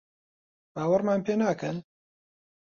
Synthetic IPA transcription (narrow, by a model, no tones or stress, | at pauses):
b̥aːwɐɾmaːnpeːnaːkɨn